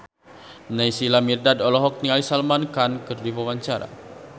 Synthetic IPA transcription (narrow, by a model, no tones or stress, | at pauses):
najsilamirdadɔlɔɦɔk̚nialisalmankankɨrdibawaɲt͡ʃaɾa̰